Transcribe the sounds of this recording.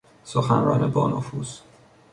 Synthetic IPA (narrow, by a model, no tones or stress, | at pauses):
soxænɾɒːnebɒːnofuːz̥